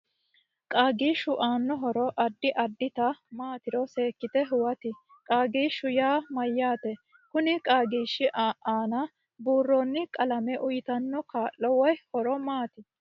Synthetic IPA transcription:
kʼaːɡiːʃʊʔaːnːɔɦɔɾɔʔɐd̪ːɪʔɐd̪ːɪt̪ɐmaːt̪ɪɾɔse̞ːkːɪt̪ɛɦʊwɐt̪ɪ | kʼaːɡiːʃʊjaːmɐjːaːt̪ɛ | kʊnɪkʼaːɡiːʃːɪʔaʔaːnɐ | buːrːoːnːɪkʼɐlɐmɛʔʊjɪt̪ɐnːɔkaːʔːɔwɔjhɔɾɔmaːt̪ɪ

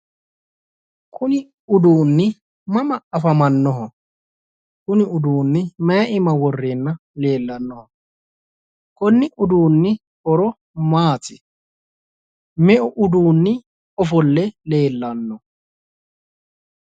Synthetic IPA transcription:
kʰʊnɪ | ʊd̪uːnːɪ | mɐmɐɐfɐmɐnːɔɦɔ | kʊnɪʊd̪uːnːɪmɐjɐʔɪmɐwɔrːeːnːɐ | le̞ːlːɐnːɔhɔ | kɔnːɪʔʊd̪uːnːɪ | ɔɾɔ | maːt̪ɪ | mɛʔʊʔʊd̪uːnːɪ | ɔfɔlːɛle̞ːlːɐnːɔ

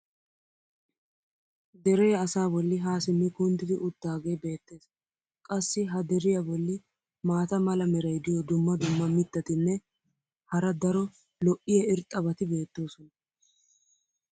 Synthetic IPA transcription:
d̪ɛɾeːɐsaːbɔlːɪɦaːsɪmːɪkʊnd̪ɪd̪ɪʔʊt̪ːaːɡejbe̞ːt̪ːe̞ːs | kʼɐsːɪɦɐd̪ɛɾɪjɐbɔlːɪ | maːt̪ɐmɐlɐmɛɾɐjd̪ɪjɔd̪ʊmːɐd̪ʊmːɐmɪt̪ːɐt̪ɪnːɛ | hɐɾɐd̪ɐɾɔ | lɔʔɪjɛɪɾt̪ʼːɐbɐt̪ɪbe̞ːt̪ːo̞ːsɔnɐ

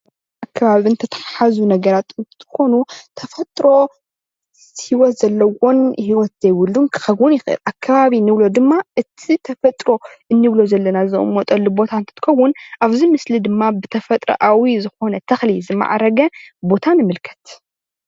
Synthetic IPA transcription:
ʔakʰːɐβaβiɨnt̪ʰɐt̪ʰɐ̥ħaħazunɐɡɐɾat̪ɨnt̪t̪ʰɨ̥xo̞nut̪ʰɐfɐt̪ʼɾo̞ | hiwɔt̪z̥ɐlːɐwo̞nhiwɔt̪zɐjwʊlːunkʰɨ̥xɐβunjɪxɨʔɨ̰lʔakʰːaβaβinːɨβlo̞d̪ɨmːaʔɨt̪ʰit̪ʰɐfɐt̪ʼɾo̞ʔɨnːɨβlo̞zɐlːɐnazɨɨ̰mot̪ʼɐlːubo̞t̪ʰant̪ʰɐ̥t̪ɨ̥xɐwːʊnʔaβzimɨslid̪ɨmːabɨt̪ʰɐfɐt̪ʼɾɐ̰ʔawizɨxo̞nɐt̪ʰɐxlizɨmːa̰ʕa̰ɾɐɡɐbo̞t̪ʰanɨmɨlkʰɐ̥t̪

